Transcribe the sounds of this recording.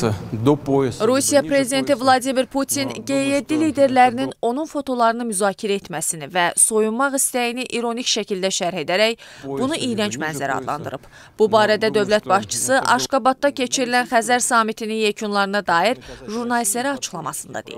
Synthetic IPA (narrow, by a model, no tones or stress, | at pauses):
d̪oɾusijɑpɾe̞zid̪e̞nt̪ʰivlˠɑd̪imiɾpʰut̪ʰinɟe̞jjed̪ːiliːd̪e̞ɾlæɾinino̞nunfo̞t̪ʰo̞lˠɑɾɯnɯmyzɑːcʰiɾæe̞t̪mæsinivæso̞jummɑʁist̪æjiniʔiɾo̞nicʃæcʰild̪æʃæɾhe̞d̪æɾæçb̥unuʔijɾænt͡ʃmænzæɾæ̰ɑ̰d̪lˠɑ̰nd̪ɯ̰ɾɯb̥ | b̥ubɑːɾæd̪æd̪ø̞vlæt̪̚bɑʃt͡ʃʰɯ̥sɯʔɑʃkɑbɑt̪̚d̪ɑcʰe̞t͡ʃʰiɾilænxæzæɾsɑːmit̪ʰininjæcʰunlˠɑɾɯnɑd̪ɑːiɾʒuɾnɑlist̪læɾiɑt͡ʃʰɯ̥χlˠɑmɑ̰sɯnd̪ɑ̰d̪ḛḭ